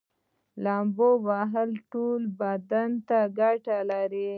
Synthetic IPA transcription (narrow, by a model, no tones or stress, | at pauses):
lɑmbowaɦalʈolbad̪ant̪aɡaʈalaɾi